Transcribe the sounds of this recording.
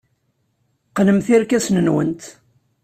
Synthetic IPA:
qnəmθiɾkæsnənwə̰nt̪

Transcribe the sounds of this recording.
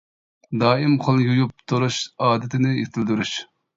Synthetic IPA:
d̪ɑːimqʰəlˠjujup̚t̪ʰuɾuʃɑːd̪ɪt̪ʰɪnɪet̪ʰɪld̪yɾuʃ

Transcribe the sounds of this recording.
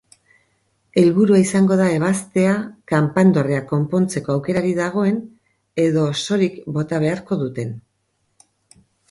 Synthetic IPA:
e̞lβuɾuaisaŋɡo̞ðae̞β̞ast̪e̞akampand̪o̞reako̞mpo̞nt͡se̞ko̞awke̞ɾaɾiðaɣ̞o̞e̞n | e̞ðo̞so̞ɾikbo̞t̪aβ̞e̞aɾko̞ðut̪e̞n

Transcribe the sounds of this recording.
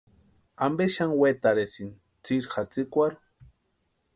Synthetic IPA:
ambeʃaŋwet̪aɾesin | t͡siɾxat͡sikʷaɾ

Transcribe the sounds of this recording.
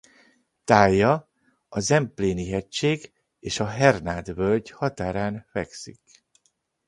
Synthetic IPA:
t̪aːjːɒ | ɒzɛmpleːniɦɛct͡ʃːeːɡ | eːʃɒɦɛrnaːd̪vølɟhɒt̪aːɾaːnfɛksḭk

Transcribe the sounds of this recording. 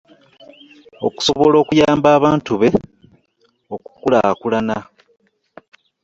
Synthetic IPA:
o̞̰ku̥so̞βo̞lo̞ːkujaːmbaːβaːntuβe̞ | o̞ku̥kula̰kulana

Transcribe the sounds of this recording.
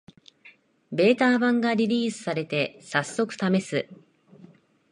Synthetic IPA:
be̞ːt̪aːbãŋɡaɾʲiɾʲiːsɨ̥saɾe̞t̪e̞sasːo̞kɯ̟̥t̪ame̞sɨ

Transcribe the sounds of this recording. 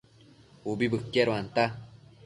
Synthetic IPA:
obibɯkːɛɾwant̪a

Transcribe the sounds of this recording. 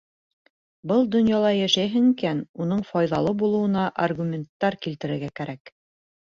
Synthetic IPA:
bɤlˠd̪ŏnjɑlˠɑjæʃæjɦɘŋikænunɤɴfɑjðɑlˠɤbulˠɤ̆wɤ̆nɑʔarɡumʲent̪ːɑɾkilt̪ɘ̆ɾɘ̆ɾɡækæɾæk

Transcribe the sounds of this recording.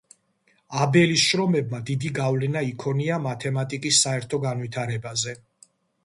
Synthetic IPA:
abɛlisʃɾɔmɛbmad̪id̪iɡavlɛnaikʰɔniamat̪ʰɛmat̪ʼikʼisːaɛɾt̪ʰɔɡanvit̪ʰaɾɛbazɛ

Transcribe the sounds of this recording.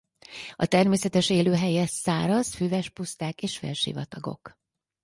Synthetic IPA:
ɒt̪ɛrmeːsɛt̪ɛʃeːløːɦɛjɛsaːɾɒzfyːvɛʃpust̪aːkeːʃfḛːlʃḭvɒt̪ɒɡo̞̰k

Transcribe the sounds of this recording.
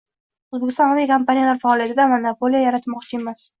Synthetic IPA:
ʊzbekʲɪst̪ɒ̃naekʰompanijalaɾfaɒlˠijat̪ɪd̪amanapolijajaɾat̪mɒqt͡ʃʰɪe̞mas

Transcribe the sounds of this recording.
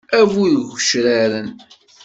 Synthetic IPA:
ævuðʝəʃɾæɾən

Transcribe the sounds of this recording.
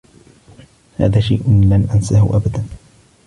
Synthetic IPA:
ha̰ːðaːʃajʔʊlanʔansahʊ̰ʔabad̪an

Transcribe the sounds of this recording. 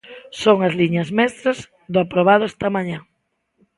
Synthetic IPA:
soŋɐzliɲɐzmɛst̪ɾɐz | d̪ʊapɾoβ̞aðʊɛst̪ɐmãɲã

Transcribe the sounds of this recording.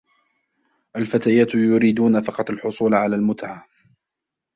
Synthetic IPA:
ʔalfat̪aːjaːt̪jʊɾiːd̪uːnafɑqɑt̪ˤalħʊsˤuːlʕalaːlmʊt̪ʕaː

